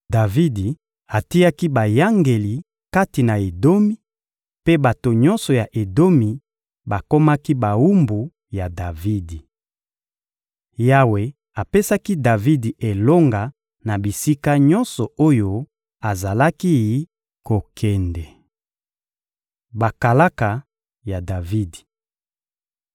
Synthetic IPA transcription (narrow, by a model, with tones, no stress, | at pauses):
da˨vi˦di˨ | a˨ti˦ja˦ki˦ba˨ja˦ŋɡe˨li˨ | ka˦ti˨na˨e˨do˦mi˦ | pe˦ba˨to˨ɲɔ˦nsɔ˨ja˨ʔe˨do˦mi˨ | ba˨ko˦ma˦ki˦ba˨wu˦mbu˨ | ja˨da˨vi˦di˨ | ja˦we˨ | a˨pe˦sa˦ki˦da˨vi˦di˨ʔe˨lo˦ŋɡa˨ | na˨bi˨si˦ka˦ɲɔ˦nsɔ˨o˦jo˦ | a˨za˨la˦ki˦ji˦ | ko˨kʰɛ˨ndɛ˨ | ba˨ka˨la˦ka˨ | ja˨da˨vi˦di̥˨